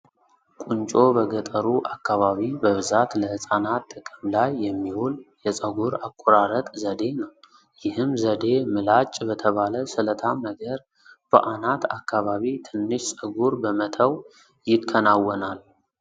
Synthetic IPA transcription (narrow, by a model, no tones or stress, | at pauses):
kʼunt͡ʃʼo̞bəɡət̪ʼəɾuʔakʰːaβaβibəβɨzat̪ləhɨsʼanat̪ʼːɨkʼəmlajːɛmːihuljɛsʼəɡuɾakʼːɔɾaɾət̪ʼzəd̪e̞nəw | jɪhɨmzəd̪e̞mɨlat͡ʃʼːbət̪ʰəβaləsɨlət̪ʰanəɡəɾ | b̥ə̰ʔanat̪ʰakʰːaβaβit̪ʰɨnːɨʃsʼəɡuɾbəmət̪ʰəw | jɪkʰːənawːənal